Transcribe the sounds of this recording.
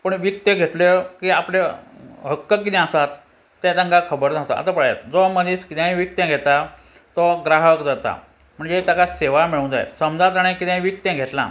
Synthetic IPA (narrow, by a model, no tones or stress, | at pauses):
pəɳʋik̚t̪eɡʱet̪lekiapleɦəkːəkːit̪ɛ̃əsat̪ː | ɛ̃t̪ãŋɡakʰəbəɾd͡zaɦt̪a̰a̰t̪apəɽaja̰t̪d͡zɔməd̪iːskit̪jãĩʋik̚t̪jẽɡʱet̪a | t̪ɔɡɾaɦəkd͡zat̪a̰ | m̤əɳd͡zet̪jakaseʋamiɭũnd͡za̰j̰səmd͡zat̪aɽ̃ikit̪ãĩʋik̚t̪jẽɡʱet̪lã̰